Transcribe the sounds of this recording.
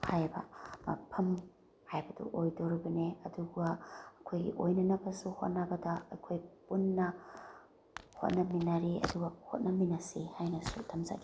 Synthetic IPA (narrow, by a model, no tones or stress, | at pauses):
hajbɐ̰mɐ̰pʰɐm | hajbɐdṵʔojdoɾɐbɐneɐduɡɐːkʰojɡḭʔojnɐnɐbɐsuho̰t̚nɐbɐdɐːjkʰojpunːɐ | ho̰t̚nɐminɐɾiɐ̰duɡɐhot̚nɐminɐsihajnɐsutʰɐmza̰ɡi